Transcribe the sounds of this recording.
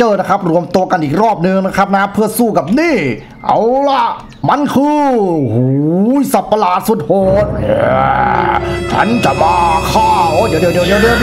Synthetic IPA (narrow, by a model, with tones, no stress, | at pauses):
t͡ɕɤː˧˩na˦˥˩kʰa˦˥p̚ɾu˧əmt̪u˧ɐka˧nʔiː˨˩k̚ɾɔː˥˩p̚nɯ˧ŋna˦˥kʰa˦˥p̚na˦˥pʰɯ˥˩ɐsuː˥˩ka˨˩p̚niː˥˩ | ʔa̰˧˩wla˧˩ʔ | ma˧˥nkʰɯː˧huː˨˦jsa˨˧˩pːa˧laː˨˩t̪̚su˨˩t̪̚hoː˨˦nʔa˧˩ | t͡ɕʰa̰˦˥nt͡ɕa˧˩maː˧kʰaː˥˩ʔʔd̪i˨˦d̪di˨˩˦diː˨˧˦di˧ə˧